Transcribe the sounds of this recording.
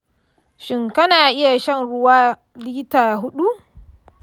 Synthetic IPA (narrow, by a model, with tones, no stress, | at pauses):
ʃɪ˨ŋkɐ˦naː˨ʔɪ˦ja˨ʃɐ˦˨nɽʊ˦waː˦ | liː˦taː˨ɦʊ˦ɗu˦